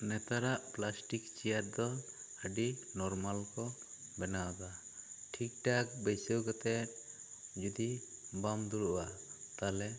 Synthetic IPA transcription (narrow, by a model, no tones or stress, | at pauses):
nɛt̪aɾaʔplasʈikt͡ʃijat̪̚d̪ɔ | əɖinɔɾmalkɔbɛnawad̪aʈʰik̚ʈak̚bɛsewɡɔt̪ɛt̪̚ | d͡ʒud̪ibamd̪uɾʔwat̪alɛ